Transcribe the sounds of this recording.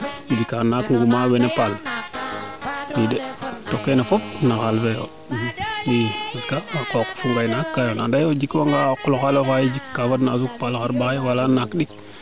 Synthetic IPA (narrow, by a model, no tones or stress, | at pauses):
id͡ʒikanakŋɡumawenepal | widetokːenefop̚naxalfejo̰ | wikiskaakokfuŋɡainakːajonandajod͡ʒikwaŋɡakuloxalofajid͡ʒikːafadnazuk̚palxaɾɓajiwalanakɗik̚